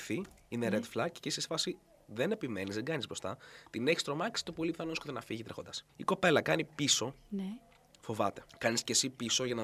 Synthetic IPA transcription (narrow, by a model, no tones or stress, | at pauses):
θi | ineɾet̪flɐkcesisfɐsi | ðene̞pime̞nizðeŋɡɐnizbɾo̞st̪ɐt̪ineçi̥st̪ɾo̞mɐksi̥t̪upolipi̥θɐnoskot̪enɐfiʝit̪ɾe̞xo̞nd̪ɐsiko̞pe̞lɐkɐnipiso̞n | fo̞vɐt̪e̞̥kɐniscesipiso̞ʝɐnɐ